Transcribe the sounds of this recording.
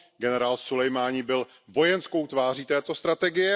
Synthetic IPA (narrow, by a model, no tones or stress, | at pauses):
ɡɛnɛɾaːlsulɛjmaːɲibɪl | vo̞jɛnsko̞wt̪vaːriːt̪ɛːt̪o̞st̪ɾat̪ɛɡɪjɛ